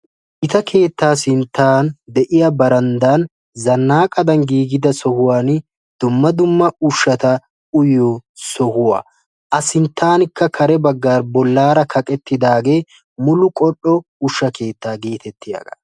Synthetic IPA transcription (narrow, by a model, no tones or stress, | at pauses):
ʔɪt̪ɐkʰe̞ːt̪ːaːsɪnt̪ːaːnd̪ɛʔɪjɐbɐɾɐnd̪aːn | zɐnːaːkʼɐd̪ɐnɡiːɡɪd̪ɐsɔhʊwaːn | d̪̥ʊmːɐd̪ʊmːɐʊʃːɐt̪ɐ | ʔʊjosɔhʊwa̰ː | ʔɐsɪnt̪ːaːnkːɐkʰɐɾɛbɐɡːaːɾbɔlːaːɾɐkʰɐkʼɛt̪ːɪd̪aːɡe̞ː | mʊlʊkʼɔɗɔ | ʊʃːɐke̞ːt̪ːaːɡeːt̪ɛt̪ʰːɪja̰ːɡɐ